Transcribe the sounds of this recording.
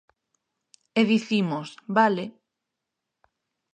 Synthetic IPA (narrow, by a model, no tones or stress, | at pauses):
eðiθimosbale